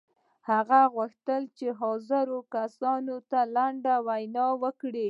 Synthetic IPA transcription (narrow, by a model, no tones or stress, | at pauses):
haɣaɣwuxt̪əlt͡ʃeɦɑzəɾokasɑnot̪alaɳɖawajnɑwəkɽi